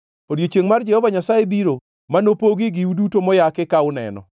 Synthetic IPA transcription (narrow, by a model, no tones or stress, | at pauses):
odijot͡ʃjeŋmard͡ʒɛhɔvaɲasajebiɾo | manopoɡiɡɪudutomɔjakɪkaʊnɛ̰nɔ̰